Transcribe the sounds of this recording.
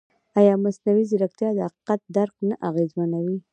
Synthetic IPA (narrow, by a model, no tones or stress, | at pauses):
ajɑmasnawizɪɾakt̪jɑd̪əhaqi̥qat̪̚d̪aɾk̚naʔaɣezmanawi